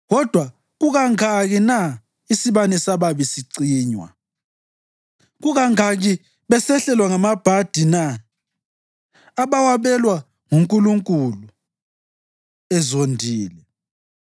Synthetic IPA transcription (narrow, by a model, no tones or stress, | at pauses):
ɣɔd̥ʱwa | ɣuɣaŋaɣina | isiβanɛsaβaβisiǀiːɲwa̰ | ɣuɣaŋaɣi | βɛsɛɬɛlwaŋamab̥ʱad̥ʱina | aβawaβɛlwa | ŋuŋkʼuluŋkʼulu | ɛzondʱiːlɛ